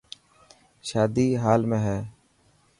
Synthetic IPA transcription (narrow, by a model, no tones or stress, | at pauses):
ʃaːd̪iːɦaːlmẽːɦɛː